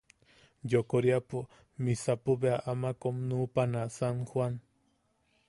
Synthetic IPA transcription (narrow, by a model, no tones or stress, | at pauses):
jokoɾjapʊ | misapubeaʔamakomnuːpanasaŋhwan